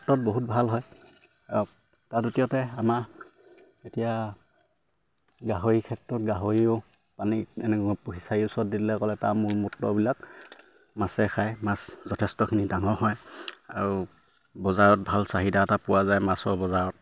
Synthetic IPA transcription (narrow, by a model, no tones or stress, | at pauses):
tːɔt̚boɦut̚bʱalɦɔj | aɹʊ | tadotijɔtɛama | etija | ɡaɦoɹikʰɛtɹɔt̚ɡaɦoɹio | paniɛnɛkɔpuɦisaiʊsɔɔt̚ditlɛkɔlɛtamʊɹmutːɔ̰bilak̚ | masɛxʰajmaszɔtʰɛstɔkʰinidaŋɔɹɦɔja̰ɹu | bɔzaɹɔt̚bʱalsaɦidaːtapʊwazajmasɔɹbɔzaɹɔt̚